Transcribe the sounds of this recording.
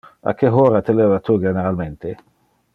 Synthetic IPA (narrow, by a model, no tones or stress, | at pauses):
a̰kʰeɦoːɾat̪ʰelevat̪ʰuɡeneɾalment̪e